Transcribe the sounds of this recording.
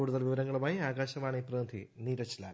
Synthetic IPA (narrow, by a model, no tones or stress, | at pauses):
uːɽuðɐlʋiʋɐɾɐŋːɐɭumaːjiaːɡaːɕɐʋaːɳɨiprɐːnd̪ʱḭniːɾɐt͡ɕːɐlaːl